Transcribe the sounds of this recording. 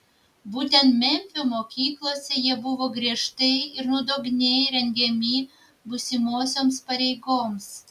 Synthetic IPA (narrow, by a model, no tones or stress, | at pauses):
buːt̪ʲɛnt̪mʲɛmʲfʲʊmoːkʲiːklˠoːsʲɛjiɛbʊʋoːɡɾʲiɛʃt̪ɐɪɪɾnʊd̪oːɡʲnʲeːjɾʲɛŋʲɡʲɛmʲiː | bʊsʲɪmuɔsʲoːmspɐɾʲɛɪɡoːms